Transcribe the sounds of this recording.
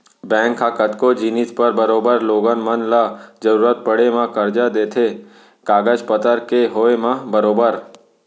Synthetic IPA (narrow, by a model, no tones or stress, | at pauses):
bɛ̃ːŋkʰakət̪kod͡ʒinɪspəɾbəɾoːbəɾloːɡənmənlad͡ʒəɾuːɾət̪̚pəɽemãkəɾd͡ʒad̪eːt̪ʰe | kaːɡəd͡ʒpət̪əɾkeɦoemãbəɾoːbəɾ